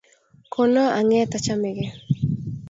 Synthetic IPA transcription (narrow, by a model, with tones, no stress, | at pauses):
kʰo˨no˦ʔa˨ŋɛ˦t̪a˨t͡ʃa˦me˨ɡe˨